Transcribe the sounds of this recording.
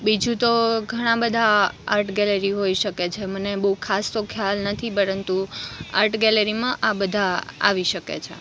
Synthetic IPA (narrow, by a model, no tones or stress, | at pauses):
bid͡ʒũt̪oɡʱəɽ̃ãbəd̪ʱaaɾʈɡɛləɾiɦoiʃəket͡ʃʰemənebəukʰast̪okʰjalnət̪ʰipəɾənt̪ua̰ɾʈɡɛləɾimãʔabəd̪ʱaa̰ʋiʃəkḛt͡ʃʰḛ